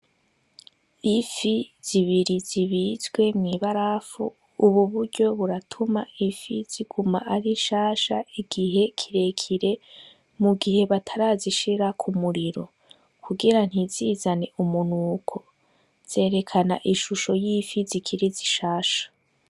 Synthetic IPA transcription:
ifiz̥iβiɾiziβizɡwe̞mŋiβaɾafṵ | uβuβuɾɟo̞βuɾatʰuma̰ifiziɡ̥umaʔaɾiʃaːʃaiɡ̥iɦe̞kʰiɾe̞kʰiɾe̞ | muɡihe̞βatʰaɾaziʃiɾakʰumuɾiɾo̞̰ | kʰuɡiɾan̥hiziːzane̞ʔumunuːkʰo̞̥ | z̥e̞ːɾe̞kʰanaʔiʃuʃo̞jifizikʰiɾiziʃaːʃḁ

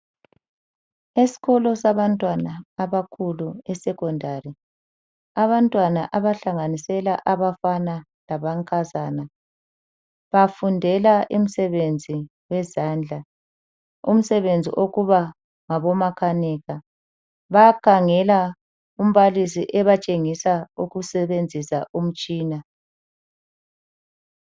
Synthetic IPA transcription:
isi̥ɣɔlɔsaβantʼwanaːβakʰuluɛsɛkɔndʱari | aβantʼwanaʔaβaɬaŋanisɛlaʔaβafana | laβaŋkʰʼazana | βafundʱɛlaʔim̩sɛβend͡zʱi | wɛzaːnd͡ɮʱa | um̩sɛβend͡zʱḭʔoɣuβa | ŋaβɔmakʰanɛɣa | βakʰaŋɛla | um̩βalisḭʔɛβat͡ʃʼeŋisauɣusɛβend͡zʱisaʔum̩t͡ʃʼiːna

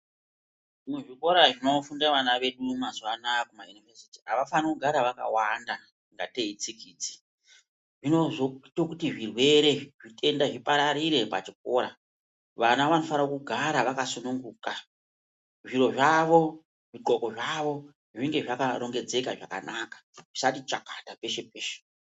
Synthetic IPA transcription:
muʐiko̞ɾaʐino̞fundaʋanaʋe̞ɗumazwanakumajunivesi̥ti̥aʋafanikuɡʱaɾaʋaka̰wanda | ŋɡa̰te̞it͡sikiːd͡zi̥ | ʐinozotokutiʐirwe̞ɾe̞ʐitʰe̞ndaʐipaɾaɾiɾe̞pa̰t͡ʃik̚o̞ːɾa | ʋanaʋano̞fanakuɡʱaɾaʋakasunuŋɡuːka | ʐiɾo̞ʐaʋo̞ | ʐiǃoko̞ʐaʋo̞ | ʐiŋɡe̞ʐakaɾo̞ŋɡe̞d͡ze̞kaʐa̰ka̰nʔakḁʐ̥isatit͡ʃakḁtape̞ʃe̞peːʃe̥

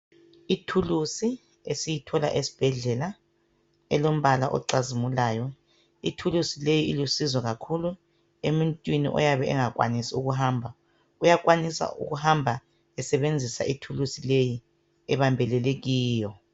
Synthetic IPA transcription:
itʰulusi | esijitʰɔla̰ʔesi̥b̥ʱɛɮɛla | ɛlom̩βala̰ʔɔ̰ǀazimulaːjɔ | itʰulusilejiilusizwɔɣakʰulu | emuntʼwinḭʔɔ̰jaβɛɛŋak̬ʼwa̰nisiuɣuɦaːmbʱa | ujak̬ʼwanisa̰ʔṵɣuhambʱa | ɛsɛβend͡zʱisa̰ʔitʰulusileji | ɛβambʱɛlɛleɣiːjɔ

